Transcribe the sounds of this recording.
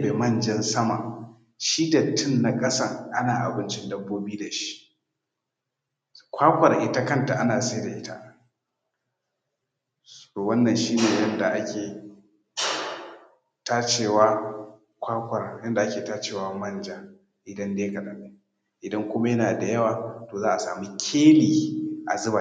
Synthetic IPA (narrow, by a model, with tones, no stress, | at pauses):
be˨mɐ˦˨nd͡ʒɐ˦nsɐ˦ma˨ | ʃi˦da˨tʰɪ˦nːa˨kʼɐ˦sɐ˦˨ŋʔa˦naː˨ʔa̰˨bɪ˦nt͡ʃɪ˦ndɐ˦bːoː˦biː˦da˨ʃi̥˦ʔ | kʷaː˦kʷɐ˨rʔɪ˦ta˦kɐ˦nta˨ʔa˦naː˨se˦da˨ʔɪ˦ta̰˦ʔ | soː˨wɐ˦nːɐ˨nʃiː˦neː˨jɐ˦nda˨ʔa˦kʲeː˨ | taː˦t͡ʃeː˨waː˦ | kʷaː˦kʷɐ˨rjɐ˦nda˨ʔa˦kʲeː˨taː˦t͡ʃeː˨wa˦mɐ˦nd͡ʒa˨ | ʔɪ˨dɐ˦ndeː˦kɐ˨ɗɐ˦ne˦ | ʔɪ˨dɐ˦ŋkʷʊ˦ma˦jɐ˦naː˨da˨jɐ˦waː˨toː˨zaː˦ʔa˨sa̰ː˨mi˦kʲʰeː˦liː˨ʔa̰˨zʊ˦ba˨